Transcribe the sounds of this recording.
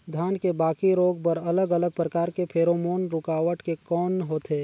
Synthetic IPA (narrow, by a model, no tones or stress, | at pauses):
d̪ʱjaːnkebaːkiɾoːɡ̚pəɾɐləɡələɡ̚pɾəkaːɾkepʰeːɾomoːnɾʊkaːʋəʈkekɔːnɦoːt̪eː